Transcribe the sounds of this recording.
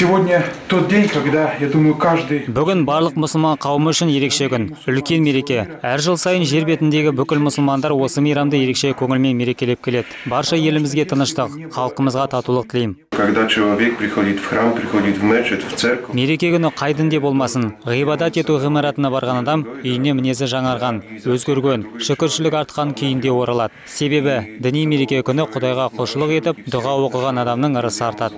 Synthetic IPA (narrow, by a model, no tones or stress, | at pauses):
sʲɪvodʲnʲət̪ot̪̚dʲenʲkaɡd̪ajad̪uməjʊkaʐd̪ɨjbʏɡʲɪnbɑɾlˠəqmʊsəlˠmɑɴqʰɑwəməʏʃɪnje̞ɾe̞kʃe̞kʲʏn | ʏlkʲe̞nme̞ɾe̞kʲe̞æɾʒəlˠsɑjənʒe̞ɾbe̞t̪ɪnd̪e̞ɡʲɪbʏkʲɪlmʊsəlˠmɑnd̪ɑɾwo̞səmijɾɑmd̪əje̞ɾe̞kʃe̞kʲʰɵŋɪlme̞nme̞ɾe̞kʲe̞le̞p̚kʲʰe̞le̞d̪ɪbɑɾʃɑje̞lɪmɪzɡʲe̞t̪ʰənəʃt̪əqχɑlˠəqəməzʁɑt̪ʰɑt̪ulˠəq̚t̪ʰɪlejmkaɡd̪at͡ʃʰelˠavʲek̚pɾʲixod̪ʲit̪fχrampɾʲixod̪ʲit̪vmæt͡ʃet̪vt̪serkme̞ɾe̞kʲe̞kʲʏnɪqʰɑjd̪ɪnd̪ebo̞lˠmɑsənʁijbɑd̪ɑt̪e̞t̪uʁijmɑɾɑt̪ənɑbɑɾʁɑnɑd̪ɑmʏjɪne̞mɪne̞s̬ɪʒɑɴɑɾʁɑnwɵzɡʲeɾɡʲenʃɪkʲɪɾʃɪlɪkɑɾt̪̚qɑŋkʲʰʏjɪnd̪e̞wo̞ɾʔɑlˠɑd̪̥əse̞be̞bɪd̪ɪnijme̞ɾe̞kʲe̞kʲʰʏnɪqʰʊd̪ɑjʁɑqʰoʃəlˠəqe̞t̪ɪp̚d̪ʊʁɑwo̞qəʁɑnɑd̪ɑmnəɴəɾəsəɑɾt̪ɑd̪ə